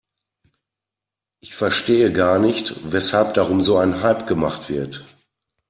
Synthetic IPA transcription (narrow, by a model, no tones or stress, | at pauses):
ʔɪçfɛɐʃteːəɡaːɐnɪçtvɛshalp̚d̥aʁʊmzoːaɪnɦalpɡ̥əma̰χtv̥ɪɐt